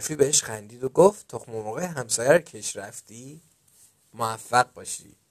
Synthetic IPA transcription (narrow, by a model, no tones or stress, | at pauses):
fiːbeheʃxænd̪iːd̪o̞ɡoft̪t̪ʰoxmovɒːɣeɦæmsɒːjæɾcʰeʃɾæft̪iː | moæfːæɣbɒːʃḭː